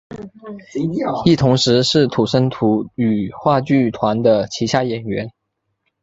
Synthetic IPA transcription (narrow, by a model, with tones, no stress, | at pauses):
i˥˩t̪ʰʊ˧˥ŋʂɻ̩˧˥ʂɻ̩˥˩t̪ʰu˨˩ʂə˥nt̪ʰu˧˥y˨˩xwa˥˧t͡ɕy˥˩t̪ʰwa˧˥nd̪ə˧t͡ɕʰi˧˥ɕja˥˩jɛ˨˩nɥɛ˧˥n